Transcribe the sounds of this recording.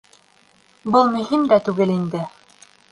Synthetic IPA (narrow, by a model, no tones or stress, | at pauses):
bɤlˠmɵ̆ɦimd̪æt̪ʉɡɘlind̪ɘ